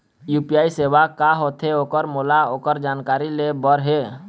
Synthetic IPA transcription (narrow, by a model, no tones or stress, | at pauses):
juːpijaːiseːwakaɦoːt̪ʰɦeoːkəɾmoːlaoːkəɾd͡ʒaːnkaːɾilebəɾɦeː